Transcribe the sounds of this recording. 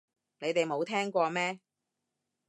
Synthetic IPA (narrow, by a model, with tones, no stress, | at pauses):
ne˨˧jt̪e˨jmo˨˧wt̪ʰɛː˥ŋkʷɔː˧mɛː˥